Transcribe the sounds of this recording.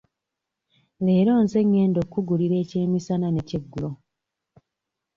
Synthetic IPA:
leːɾo̞ːnze̞ŋːe̞ːndo̞kːuɡuliɾe̞ːce̞ːmisanane̞ceɡːulo

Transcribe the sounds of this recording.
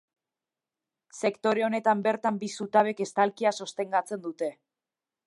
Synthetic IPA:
se̞kt̪o̞ɾe̞o̞ne̞t̪ambe̞ɾt̪ambisut̪aβe̞ke̞st̪alkiaso̞st̪e̞ŋɡat͡se̞nd̪ut̪e̞

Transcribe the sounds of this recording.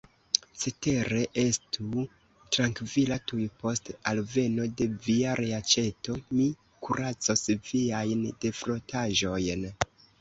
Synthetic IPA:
se̞te̞ɾe̞ʔe̞stu | tɾaŋkvilatujpo̞stalve̞no̞de̞viaɾʔeat͡ʃe̞to̞mi | kʰuɾat͡so̞sviajnde̞fɾo̞tʰaʒo̞jn

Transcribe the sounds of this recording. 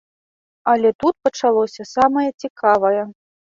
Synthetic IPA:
ɐlʲɛt̪ut̪̚pɐt͡ʂalˠɔsʲɐsamɐjɐt͡sʲikʰavɐjɛ

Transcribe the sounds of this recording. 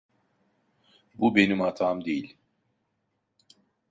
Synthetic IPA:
bube̞nimhat̪ʰaːmd̪e̞jilʲ

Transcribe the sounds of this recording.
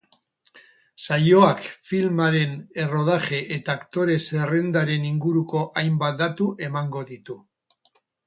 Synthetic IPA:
sajo̞akfilmaɾe̞ne̞ro̞ð̞aχe̞ʔet̪aːkt̪o̞ɾe̞se̞re̞nd̪aɾe̞niŋɡuɾuko̞ʔajmbat̪̚d̪at̪uʔe̞maŋɡo̞ðit̪u

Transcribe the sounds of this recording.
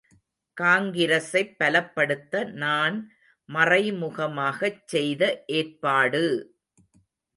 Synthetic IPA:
kaːŋɡɪɾɐsɐɪpːɐlɐpːɐɽɯt̪ːɐnaːn | mɐrɐɪmʊɣɐmaːɣɐt͡ʃːɛjðɐʔeːrpaːɽɯ

